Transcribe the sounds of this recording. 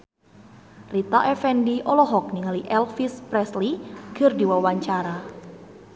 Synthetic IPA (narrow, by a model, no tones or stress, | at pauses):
rit̪aʔɛfɛndiʔɔlɔɦɔk̚niŋaliʔɛlfispɾɛsliɡ̥ərdiwawaɲt͡ʃaɾa